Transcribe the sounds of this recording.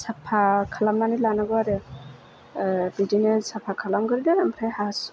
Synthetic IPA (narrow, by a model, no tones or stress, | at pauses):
sapʰakʰalamnanilanaɡɔaɾɛ | bidinesapʰakʰalamɡɯɾidɛamʰɾajhas